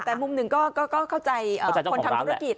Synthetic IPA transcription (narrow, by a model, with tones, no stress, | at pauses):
t̪ɛː˨˩mu˨˧mnɯ˨˩ŋkɔː˥˩kɔː˥˩kɔː˥˩kʰa˥˩wt͡ɕa˧jʔəː˨˧˩a˧j̪ko˧t̪ʰa˧mt̪ʰu˧˦˥a˧˥˩ki˨˩t̪̚